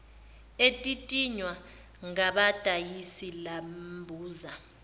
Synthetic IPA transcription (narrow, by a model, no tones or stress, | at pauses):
etʼitʼiɲwa | ŋaɓatʼajisilambʱuːza